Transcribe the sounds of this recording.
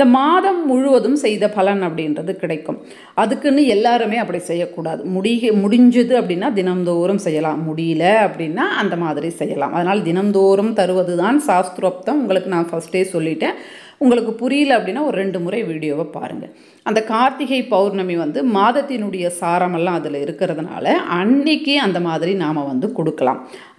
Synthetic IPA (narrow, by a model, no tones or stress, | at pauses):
ɪnd̪ɐmaːðɐmːʊɻʊʋɐðɯmsɛjðɐpɐlɐnɐpːɐɽɪɪndrɐðɯkɪɽɐɪkːɯ̰m | ɐðɯkːɯnːɯɛlːaːɾɯmeːɐpːɐɽisɛjːɐkːuːɽaːðɯmʊɽɪmʊɽɪɲd͡ʒɐðɯɐpːɐɽɪnːaːd̪ɪnɐmd̪oːɾɯmsɛjːɐlaːmːʊɽɪjɪlɐɐpːɐɽɪnːaːʔɐnd̪ɐmaːðɪɾisɛjːɐla̰ːmʔɐðɐnaːlɐd̪ɪnɐmd̪oːɾɐmt̪ɐɾɯʋɐðɯðãːnsaːst̪ɾoːp̚t̪ɐ̃mʊŋɡɐɭɯkːɯnãːfɐsʈeːsɔlːɪʈːẽː | ʊŋɡɐɭɯkːɯpʊɾɪjɪlɐɐpːɐɽɪnːaːɔɾɯɾɛɳɖɯmʊɾɐɪʋiːɽɪjoːʋɐpa̰ːɾɯ̰ŋɡɐ | ʔɐnd̪ɐkaːɾt̪ɪɣɐɪpɐʊɾnɐmeːʋɐnd̪ɯmaːðɐt̪ːɪnɯɽɐjɐsaːɾɐmɛlːãːɐðɪlɪɾɯkːɪɾɐðɯna̰ːlɐʔɐɳːɪkːiɐnd̪ɐmaːðɪɾinaːmɐʋɐnd̪ɯkɔɽɯkːɐla̰ːm